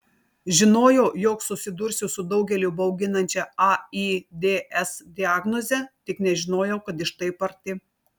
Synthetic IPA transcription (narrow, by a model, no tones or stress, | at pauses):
ʒʲɪnoːjɛːjoːksʊsʲɪd̪ʊɾʲsʲʊsʊd̪ɒʊɡʲɛlʲʊbɐʊɡʲɪnɐnʲt͡ʃʲɛɐid̪ʲeːʔɛsd̪ʲɪaːɡnɔzʲɛt̪ʲɪknʲɛʒʲɪnoːjɛʊkɐt̪ɪʃt̪ɐɪpɐɾʲt̪ʲɪ